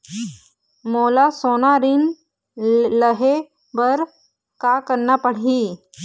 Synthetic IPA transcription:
moːlasoːnaɾin | ləɦe | bəɾ | kakəɾnapəɽ̤iː

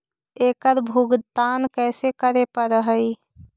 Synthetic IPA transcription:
eːkəɾbʱuɡt̪aːnkɛːsekəɾepəɾəɦəi

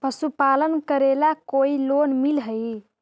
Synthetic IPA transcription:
pəsupalənkəɾelakoilonmilɦəj

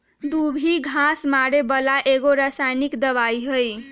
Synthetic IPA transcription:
d̪ubʱiɡʱasmaɾebəlaʔeɡoɾasajnikd̪əβaiɦəj

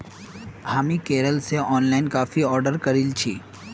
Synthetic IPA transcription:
haːmikeːɾəlseɔːnlaːɪnkaːfiɔːɾɖəɾkɐɾilt͡ʃʰiː

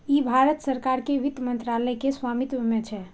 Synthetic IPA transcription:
ibʱaɾət̪səɾkaɾkeʋid̪mənt̪ɾaləjkesʋamit̪ʋəmẽt͡ʃʰɛ

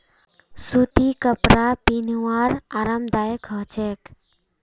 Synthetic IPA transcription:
sut̪ikəpɾapiniwaɾaɾamd̪ajəkɦət͡ʃek

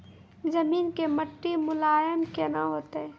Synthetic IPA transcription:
zɐmiːnkemɐʈːimʊlaːjənkenaɦoːt̪eɦɛː

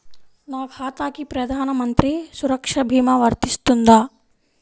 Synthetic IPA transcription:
naːɡʰʱaːt̪aːkipɾɐd̪ʱaːnɐmɐnt̪ɾisuɾɐkʂɐbʱiːmɐʋɐɾt̪ist̪und̪aː

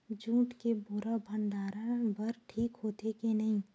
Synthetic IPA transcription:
d͡ʒũːʈkebʊɾabʱə̃ɳɖaːɾabɐɾʈʰiːkɦoːt̪ekenɐɦĩː

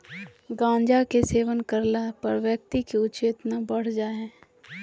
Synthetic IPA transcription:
ɡãːɲd͡ʒakeseːʋənkəɾlapɐɾʋjək̚t̪ikiʊt͡ʃeːt̪nabɐɽ̤d͡ʒaːɦɛ̃ː

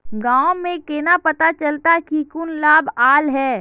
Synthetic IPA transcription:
ɡaːõmẽkeːnapɐt̪at͡ʃəlt̪akikʊnlaːbaːlɦɛː

